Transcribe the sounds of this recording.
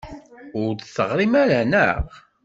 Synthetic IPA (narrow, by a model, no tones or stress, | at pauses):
ʊɾθəʁɾimæɾænəʁ